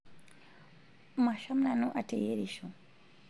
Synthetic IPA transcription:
maʃamnanoʔatejeɾiʃo

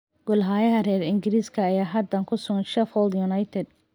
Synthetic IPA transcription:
ɡ̥ʊlɦaːjɐɦɐrɛːɾɪŋɡɪɾiːskʰɐːjaːɦɐd̪ɐŋkʰʊsʊɣɐnʃɛfɔld̪jʊnɐjt̪ʰɛd̪̚

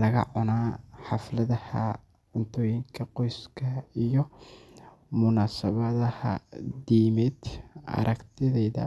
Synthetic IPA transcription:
lɐɣɐ̰ʕʊnaːħɑflɐðɐhɐ̰ | ʕʊnt̪ʰɔːjɪŋkʰɐqɔjskʰɐijɔ | mʊnaːsɐβɐðɐhɐ̰d̪iːmɛd̪ʔɐ̰ɾʔɐkt̪ʰɪðɛjðɐ̰

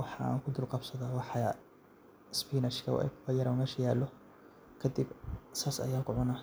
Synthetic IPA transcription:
wɑħɑ̰ŋkʰʊd̪ʊlqɑbsɐðaːwɑħɑ | spʰiːnɐʃkʰɐ̰w̰ɛ̰kʰbɐjɐɾɐmɛːʃɐjaːlːɔ | kʰɐd̪ibsaːsɐ̰jaːŋkʰʊʕʊna

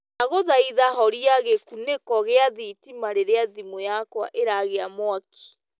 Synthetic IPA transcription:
naɣoðaiðaɦɔɾiaɣekunekɔɣeaðitimaɾeɾeaðimojakwa̰ʔeɾaɣeamwakʰi̥

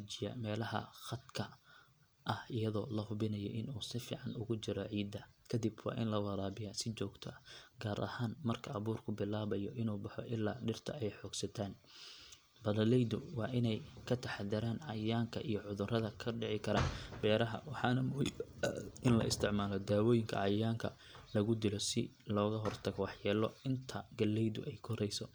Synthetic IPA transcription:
t͡ʃɪjɐ̰mɛːlɐhɐ̰xɐd̪kʰɐ | ʔɐhɪjɐðɔːlɐhʊβɪnɐjɔ̰ʔɪnuːsɪfḭːʕɑnʊɣʊt͡ʃɪɾɔʕiːd̪ːɐkʰɐd̪ɪbwɑ̰ːʔɪnlɐwɑɾaːβɪjasɪt͡ʃɔːɡt̪ʰɔɡaːɾʔɐ̰haːnmɐrkʰɐʔɐβuːrkʰʊbɪlaːβɐjɔʔɪnuːbɑħɔʔɪlːa̰ːɖɪrt̪ʰɐ̰ɛjħɔːɡsɐt̪ʰaːn | bɐðɐlɛjðʊwɑːʔɪnɛjkʰɐt̪ʰɐħaðɐɾaːnʕɑjaːŋkʰɐʔijɔʕʊðʊrɐðɐkʰɐɖɪʕɪkʰɐɾabɛːɾɐɦɐ̰wɑħɑːnɐmʊhḭbʔɪnlɐ̰ʔɪ̰st̪ʰɪʕmaːlɔd̪aːwɔːjɪŋkʰɐ̰ʕɑjaːŋkʰɐ | lɐɣʊd̪ɪlɔsɪ | lɔːɣɐɦɔrt̪ʰɐɣɔwɑħjɛːlɔ̰ɪnt̪ʰɐɡɐlːɛjðʊ̰ʔɛjkʰɔɾɛjsɔ

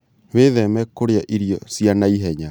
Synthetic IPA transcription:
weðɛmɛkoɾeaʔiɾiɔsjanaiɦɛɲa

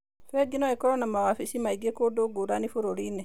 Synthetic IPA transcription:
fɛɡinɔɛkɔɾɔnamawafisimaiɡekodoɡuɾanifuɾoline

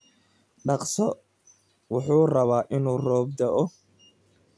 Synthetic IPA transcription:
ɖɑqsɔ | wʊħuːrɐβaːʔɪnuːrɔːb̚d̪ɐʔɔ

